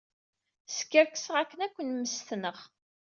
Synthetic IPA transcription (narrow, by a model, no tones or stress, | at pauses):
skːəɾkə̥səʁækːənækʷːənməst̪nəʁ